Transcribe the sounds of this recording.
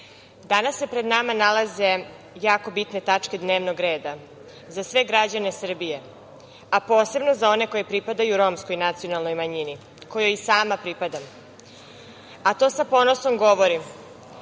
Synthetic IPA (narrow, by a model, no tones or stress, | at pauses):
d̪anasːepɾe̞d̪namanalaze̞ | jaːko̞bit̪ne̞t̪at͡ʂked̪ne̞ːʋno̞ɡɾe̞ːd̪a | zasʋe̞ɡɾad͡ʑanesr̩bije | apo̞ːse̞bno̞zao̞ne̞ko̞jepɾipad̪ajuɾo̞msko̞jnat̪sio̞nalˠnojmaɲini | ko̞jojisaːmapɾipad̪am | at̪o̞ːsapo̞no̞so̞mɡo̞ʋo̞ɾi